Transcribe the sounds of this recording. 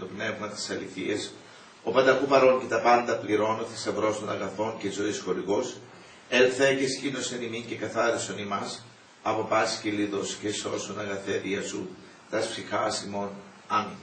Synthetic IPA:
t̪o̞pne̞vmɐt̪i̥sɐliθies | o̞pɐnd̪ɐkupɐɾo̞nce̞t̪ɐpɐnd̪ɐpliɾo̞not̪ist̪ɐvɾo̞st̪onɐɣɐθo̞ncezo̞isxo̞ɾiɣo̞s | elθecescinosenimince̞kɐθɐɾisonimɐs | ɐpo̞pɐsciliðo̞sceso̞st̪onɐɣɐθeɾiɐsu | t̪ɐsfsixɐsimo̞n | ɐmi

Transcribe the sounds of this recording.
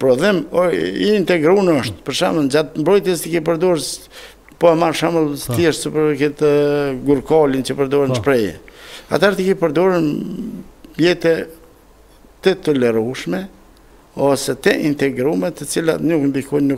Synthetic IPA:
pɾɔðɛmɔiːnt̪ɛɡɾunɔʃt̪pəɾʃaməld͡ʑat̪mbɾɔjt̪jɛst̪əkip̬əɾd̪ɔɾ | pɔamaɾʃaməlˠsθjɛʃsəpəɾkit̪ɡuɾkɔlint͡ʃəpəɾd̪ɔɾənʃpɾɛjɛ̰a̰t̪haɾt̪əkipəɾd̪ɔɾən | bjɛt̪ɛ | t̪ət̪ɔlɛɾuʃmɛ | ɔsɛt̪əʔint̪ɛɡɾumɛt̪ːət͡sila̰t̪nuknd̪ikɔjnnu

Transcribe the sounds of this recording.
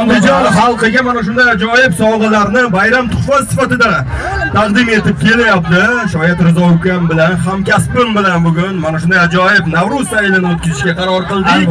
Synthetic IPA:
and̪ɪd͡ʒɒnχɑlˠqeɡʲamanaʃ̬ʊnd̪ajad͡ʒɒjɪpsɒɴʁɨlaɾnɪbajɾamt̪ʰʊ̥χfasɪfat̪ɪd̪a | t̪ʰɑqd̪ɪme̞t̪ɪp̚kʲʰe̞lajap̚t̪ɪʃɒjɪt̪ɾɪzɒukʲambɪlanχamkʲaspɪmbɪlanbʊɡʲʊnmanaʃʊnd̪ajad͡ʒɒjɪbnavɾʊsaɪlɪnɪot̪̚kʲɪzɪʃkʲaqʰɑɾɒɾqɨlˠd̪ɪ

